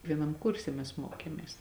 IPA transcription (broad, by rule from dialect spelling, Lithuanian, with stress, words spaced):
ʋʲiɛˈnɐm ˈkʊrʲsʲɛ mʲɛs ˈmoːkʲeːmʲeːs